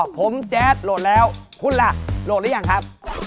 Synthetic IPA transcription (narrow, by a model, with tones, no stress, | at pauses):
pʰo˩˦mt͡ɕɛː˦˥t̪̚lo˨˩t̪̚lɛː˦˥wkʰu˧˥n̚la˧˩ʔlo˨˩t̪̚lɛː˦˥ja˨˩ŋkʰa˦˥p̚